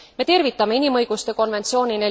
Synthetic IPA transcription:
me̞t̪e̞rvit̪ːˑɑme̞inimɤ̞jɡ̥ust̪e̞ko̞nve̞nt̪sio̞ːnine

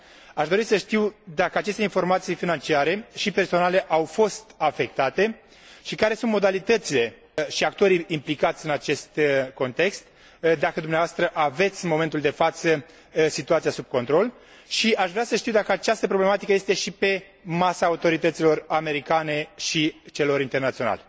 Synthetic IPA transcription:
aʃd̪o̞ɾisəʃt̪iwd̪akəat͡ʃe̞st̪e̞info̞rmat̪sijfinant͡ʃiaɾe̞ʃipe̞rso̞nale̞ʔawfo̞st̪afe̞k̚t̪at̪e̞ | ʃikaɾe̞sunt̪̚mo̞d̪alit̪ət̪sile̞ | ʃiak̚t̪o̞ɾiimplikat̪sʲɨnat͡ʃe̞st̪ko̞nt̪e̞kst̪ | d̪akəd̪umneavast̪ɾəʔave̞t̪sʲmo̞ment̪uld̪e̞fat̪sə | sit̪uat̪siasub̚ko̞nt̪ɾo̞l | ʃiaʃvɾeasəʃt̪iwd̪akəat͡ʃast̪əpɾo̞ble̞mat̪ikəje̞st̪e̞ʃipe̞ | masaːut̪o̞ɾit̪ət̪silo̞rame̞ɾikane̞ʃit͡ʃe̞lo̞ɾint̪e̞rnat̪siona̰le

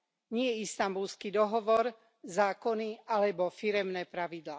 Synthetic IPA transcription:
ɲɪɛist̪ambulskid̪ɔɦɔʋɔɾ | zaːkɔnialɛbɔfiɾɛmnɛːpɾaʋid̪la̰ː

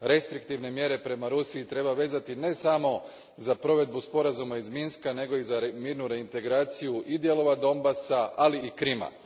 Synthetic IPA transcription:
ɾe̞st̪ɾik̚t̪iʋne̞mje̞ɾe̞pɾe̞maɾusiit̪ɾe̞baʋe̞ːzat̪ine̞samo̞ | zapɾo̞ʋe̞d̪̚buspo̞ɾazumaizminskane̞ɡo̞izaɾmiːɾnuɾe̞int̪e̞ɡɾaːt̪sijuʔid̪je̞lo̞ʋad̪o̞mbasaaliːkɾima̰

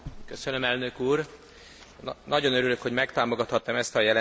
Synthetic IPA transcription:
køsønømɛlnø̞kuːr | nɒɟo̞nøɾyløkho̞ɟmɛkt̪aːmo̞ɡɒt̪hɒt̪ːɒmɛst̪ɒjɛl

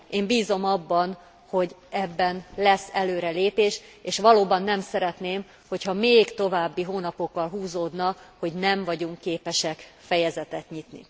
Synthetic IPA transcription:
eːmbiːzo̞mɒbːɒn | ho̞ɟɛbːɛnlɛsːɛløːɾɛleːpeːʃeːʃʋɒloːbɒnːɛmsɛɾɛt̪neːm | ho̞chɒmeːɡt̪o̞vaːbːiɦoːnɒpo̞kːɒlɦuːzoːd̪nɒho̞ɟnɛɱvɒɟuŋkːeːpɛʃɛkfɛjɛzɛt̪ɛt̪ɲit̪nḭ

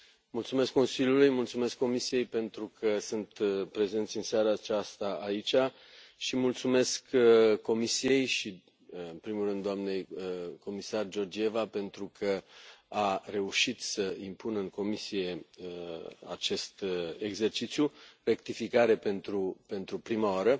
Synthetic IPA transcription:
mult̪sume̞skːo̞nsiljulujmult̪sume̞skːo̞misije̞jpe̞nt̪ɾukʰəsɨnt̪pɾe̞ze̞nt̪sʲɨnseaɾat͡ʃast̪aait͡ʃa | ʃimult̪sume̞skkːo̞misije̞jʃi | ɨnpɾimulrɨnd̪oamne̞jko̞misard͡ʒo̞rd͡ʒie̞vape̞nt̪ɾukʰəare̞uʃit̪səimpunɨŋko̞misije̞ | a̰t͡ʃe̞st̪e̞ɡze̞rt͡ʃit̪sʲjure̞kt̪ifikaɾe̞pe̞nt̪ɾupe̞nt̪ɾupɾimaoaɾə

